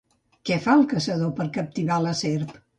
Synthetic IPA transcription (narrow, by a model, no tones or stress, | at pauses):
kɛfalˠkəsəðopəɾkəp̚t̪iβaləseɾp